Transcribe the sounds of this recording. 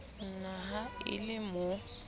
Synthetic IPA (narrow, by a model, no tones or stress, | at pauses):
n̩naɦaɪ̰lɪmʊ